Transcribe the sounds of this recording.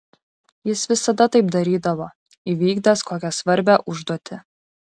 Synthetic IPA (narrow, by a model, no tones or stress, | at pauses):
jɪsʋʲɪsɐd̪ɐt̪ɐɪpd̪ɐɾʲiːd̪ɐʋoː | iʋʲiːɡd̪ɐskoːkʲɛsʋɐɾʲbʲæʔʊʒd̪ɔt̪ʲɪ